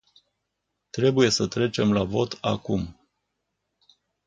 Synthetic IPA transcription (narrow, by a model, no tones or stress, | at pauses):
t̪ɾe̞buje̞sət̪ɾe̞t͡ʃe̞mlavo̞t̪akum